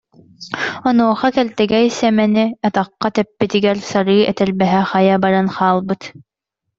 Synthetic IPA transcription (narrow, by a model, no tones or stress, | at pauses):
ɔnuɔχɑkɛlt̪ɛɡɛjsɛmɛniɑt̪ɑqːɑt̪ɛpːit̪iɡɛɾsaɾɯːɛt̪ɛɾbɛɦɛχajabaɾanχaːlˠbɯt̪